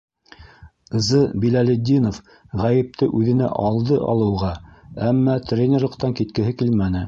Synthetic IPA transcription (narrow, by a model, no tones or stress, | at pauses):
zɤbilælʲed̪ʲːinof | ʁæjɘ̆p̚t̪ɘʔʉðɘ̆næ̰ʔɑlˠd̪ɤʔɑ̰lˠɤ̆wʁɑæmːæt̪rʲenʲerlˠɤ̆qt̪ɑŋkit̪̚kɘ̆ɦɘkilmænɘ